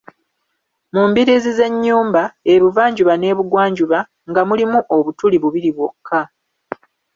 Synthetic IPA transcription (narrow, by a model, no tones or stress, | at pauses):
muːmbiɾizize̞ɲːuːmbae̞βuvaːɲɟuβane̞ːβuɡwaːɲɟuβa | ŋɡamulimuʔo̞βutuliβuβiɾiβwokʰːa